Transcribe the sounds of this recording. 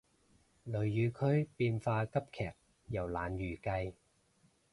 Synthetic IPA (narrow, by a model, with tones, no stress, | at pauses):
lɵ˨˩ɥːyː˨˧kʰɵ˥ɥpiː˧nfaː˧kɐ˥p̚kʰɛː˨˩k̚ | jɐ˨˩wlaː˨˩njyː˨˩kɐ˧j